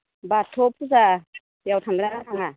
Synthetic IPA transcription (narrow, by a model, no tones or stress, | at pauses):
batʰɔp̚ʰuza | jawtʰamd̪ɾanatʰaŋa